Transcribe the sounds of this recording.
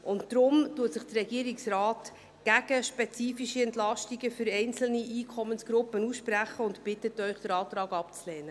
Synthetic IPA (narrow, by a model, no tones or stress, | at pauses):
ʔʊnttɾʊmtuːətsɪχd̥ərɛɡiəɾiksɾaːt | ɡ̥æɡ̥əʃpɛt͡siːfiʃiɛntlɑʃtiɡəfʏɾɛɪnt͡sl̩niʔiːkʰɔmːənsɡ̥ɾʊpːənusʃpræχəʊntpɪtːətːœʏχd̥əɾɑːtɾɑːɡɑpt͡slɛːnə